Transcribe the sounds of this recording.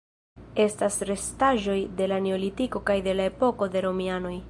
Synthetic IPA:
e̞stasɾe̞staʒo̞jde̞lane̞o̞litiko̞kajde̞lae̞po̞ko̞de̞ɾo̞miano̞j

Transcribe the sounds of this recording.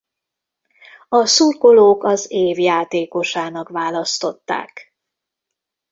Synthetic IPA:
ɒsurkoloːkɒzeːvjaːt̪eːko̞ʃaːnɒkʋaːlɒst̪o̞t̪ːa̰ːk

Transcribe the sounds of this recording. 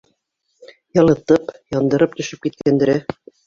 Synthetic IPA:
jɑlˠɤ̆t̪ɤpjɑnd̪ɤ̆ɾɤp̚t̪ɵ̆ʃɘp̚kit̪̚kænd̪ɘ̆ɾɘ

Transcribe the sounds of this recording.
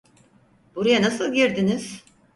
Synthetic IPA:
b̥uɾajanasɯlˠɟiɾd̪iniz̥

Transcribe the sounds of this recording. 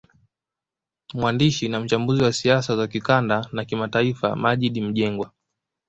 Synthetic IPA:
mwandiʃinam̩t͡ʃambuziwasiasazakikandanakimataifa̰maʄiɗim̩ʄɛŋɡwa

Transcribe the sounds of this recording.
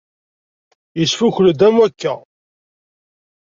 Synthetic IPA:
jəsfuçld̪æmwækːæ

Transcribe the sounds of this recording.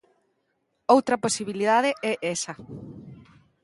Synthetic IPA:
owt̪ɾɐposiβiliðaðeɛʔɛsɐ

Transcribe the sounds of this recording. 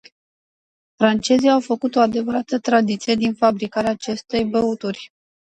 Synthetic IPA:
fɾant͡ʃe̞ziawfəkut̪o̞ad̪e̞vəɾat̪ət̪ɾad̪it̪sije̞d̪infabɾikaɾeaːt͡ʃe̞st̪e̞jbəut̪urʲ

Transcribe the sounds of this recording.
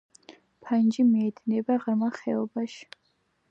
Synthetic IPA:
pʰand͡ʒimiɛd̪nɛbaʁrmaχɛɔbaʃ

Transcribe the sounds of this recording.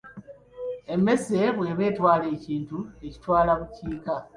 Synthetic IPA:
e̞mːe̞se̞βwe̞ːβe̞ːtwaːle̞ːciːntue̞ci̥twaːlaβuciːka

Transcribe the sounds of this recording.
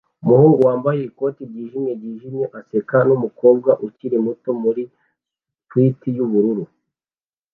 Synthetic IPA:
umuhuːŋɡuwaːmbajeko̞ːtibɟiːʒimjebɟiːʒimjeʔasekanumuko̞ːb̚ɡaʔuciɾe̞muto̞muɾi | twitijuβuɾuɾu

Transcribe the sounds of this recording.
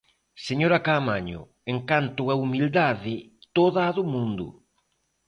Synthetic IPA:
seɲoɾɐkamaɲʊ̰ | eŋkant̪ʊaumild̪aðɪ | t̪oðaːðʊmũnd̪ʊ̰

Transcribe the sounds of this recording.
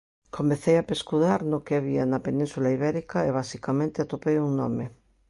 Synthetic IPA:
komẽθejapeskuðaɾnokeaβianapenĩnsulaiβɛɾikaeβ̞asikamẽnt̪eat̪opejuŋno̰me

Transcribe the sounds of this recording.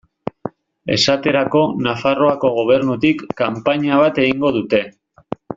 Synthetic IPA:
e̞̰sat̪e̞ɾako̞nafaro̞ako̞ɣ̞o̞β̞e̞ɾnut̪ikːampaɲaβ̞at̪e̞ɣiŋɡo̞ðut̪e̞

